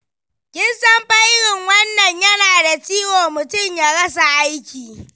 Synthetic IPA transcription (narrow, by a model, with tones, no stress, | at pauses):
kʲɪ˦nsɐ˦mɸa˦jɾɪ˨ŋwɐ˦nːɐ˨ɲjɐ˦naː˨da˨t͡ʃiː˦woː˨mʊ˨tʊ˦mjaː˨ɽɐ˦s̬a˨ʔa˦jkʲiː˨